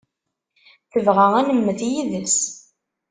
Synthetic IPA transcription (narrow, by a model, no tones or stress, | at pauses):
θəvʁæʁænəmːəðjiðəs